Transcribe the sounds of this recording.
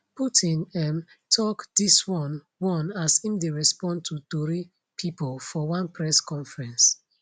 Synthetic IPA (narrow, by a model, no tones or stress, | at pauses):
putʰĩnɛm | tʰɔkdiswɔ̃n | wɔ̃nasĩmdeɹɛspɔ̃ntʰutɔɹi | pʰipɔlfɔwãnpʰɹɛskɔ̃nfɹɛ̃ns